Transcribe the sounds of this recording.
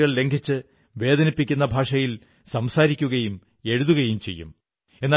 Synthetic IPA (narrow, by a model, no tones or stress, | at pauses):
ɣɐɭle̞ŋɡʱit͡ɕːɨ | ʋe̞ːd̪ɐnipːikʲːunːɐbʱaːʂɐjil | sɐmsaːɾikʲːuɣɐjum | e̞ɻuðuɣɐjumt͡ɕe̞̰jːṵm | e̞nːaː